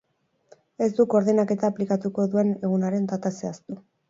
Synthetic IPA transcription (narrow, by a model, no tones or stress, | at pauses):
e̞sd̪uko̞ɾðenake̞t̪aːplikat̪uko̞ðue̞ne̞ɣ̞unaɾe̞nt̪at̪ase̞ast̪u